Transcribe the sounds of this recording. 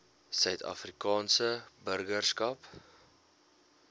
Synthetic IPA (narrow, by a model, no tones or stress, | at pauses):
sœɥtɐ̰frikɑːnsəbərɡərskɐp